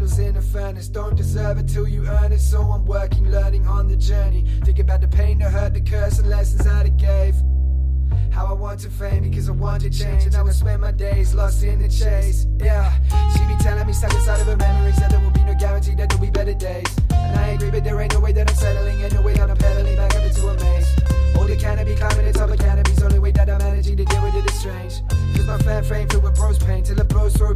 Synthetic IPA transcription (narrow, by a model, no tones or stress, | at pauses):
l̩ˠzɪ̃nɨfɜ˞nɨsd̥õʊ̃nd̥ɨzɜ˞vɨ̃ntʰɪlˠjɨɜ̃˞nɨz̥sʌ̃ʌ̃nwɜ˞kɪ̃ŋlɜ̃˞nɪ̃ŋə̃nðɨd͡ʒɜ˞niθɪ̃ŋkɨbaʊt̪̚ðəpʰẽɪ̃nðɨɦɜ˞d̪̚ðɨkʰɜ˞sə̃n̩lɛsn̩zəɾɨt̚ɡ̥eɪv̥ | haʊaɪwɑ̃ntʰɨfẽɪ̃nbɨkʰʌzaɪwɑ̃ntɨ̥t͡ʃʰẽɪ̃nd͡ʒɨ̃naɪwəspɛ̃nmaɪdeɪzlɔstɪ̃nɨd͡ʒeɪz̥jæʃimitʰɛlˠɪ̃ŋmisɛkɨ̃saɪɾʌvɨmɛmə˞id͡ʒðɨt̪̚ðəwɪlˠbinoʊɡæɹɨ̃ntʰiðɨt̚õlˠbibɛɾə˞deɪz̥ɨ̃naɪæ̃ɡɹibʌt̪̚ðə˞ẽɪnoʊweɪðɨɾãsɛɾl̩ˠɪ̃ŋɨ̃nːoʊweɪɾãʊnəpʰɛɾlĩbakʌnɨdəəmẽɪ̃noʊdɨkʰænɨb̥ikʰl̥ãɪ̃mɨnɨtzʌðəkʰænɨbizõʊ̃nliweɪt̚lɨɾaɪmænɨd͡ʒɪ̃ɾɨdɪwɨɨɨ̥stɹ̥ẽɪ̃nd͡ʒ | kʰʌzmaɪfæ̃nfẽɪ̃mtəwəpʰɹ̥oʊspʰẽɪ̃ntʰɨlˠəbʰoʊzoʊ